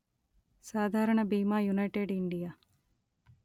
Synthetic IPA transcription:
saːd̪ʱaːɾɐɳɐbiːmaːjunɐjʈeːɖiɳɖijaː

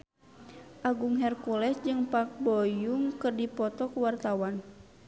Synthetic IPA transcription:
ʔaɡuŋɦɛrkulɛsd͡ʒɨŋpak̚bɔjuŋkɨrdipɔt̪ɔkuwart̪awan

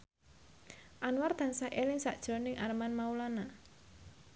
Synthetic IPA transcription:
ʔanward̪̥a̤nsaʔelɪŋsa̰ʔd̥ʒ̥ɔ̤nɪŋʔarmanmaulana

